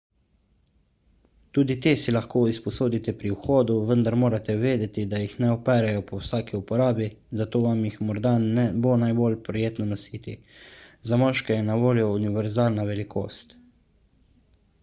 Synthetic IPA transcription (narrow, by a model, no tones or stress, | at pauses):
t̪uːd̪it̪eːsilaxkoːispɔsoːd̪it̪ɛpɾiwxoːd̪uʋənd̪aɾmoːɾat̪ɛʋeːd̪ɛt̪id̪ajixnɛɔpɛːɾɛjɔpɔwsaːkiupɔɾaːbizat̪oːʋamjixmɔɾd̪anɛbonajbolpɾɔjeːt̪nɔnɔsiːt̪ḭ | zamɔʃkɛjɛnaʋoːljɔuniʋɛɾzaːlnaʋɛlikʰo̰ːst̪